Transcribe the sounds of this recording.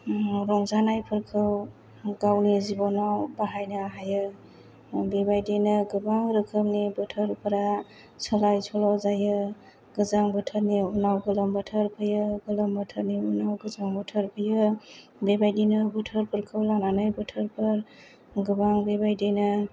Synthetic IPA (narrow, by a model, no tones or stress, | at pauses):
ɾɔŋzanajpʰɯɾkʰɯw | ɡawnizibɔnawbaɦajnaɦajɯ | bebajdenɯɡɯbaŋɾɯkʰɯmnibətʰəɾpʰɯɾa | sʰəlajsʰɔlɔzajɯ | ɡ̥ɯzaŋbətʰəɾniunawɡɯləmbətʰəɾpʰɯjɯɡɯləmbətʰəɾniunawɡɯzaŋbətʰəɾpʰɯjɯ | bebajdinɯbətʰəɾpʰɯɾkʰɯwlananajbɔtʰəɾpʰɯɾ | ɡɯbaŋbebajdenɯ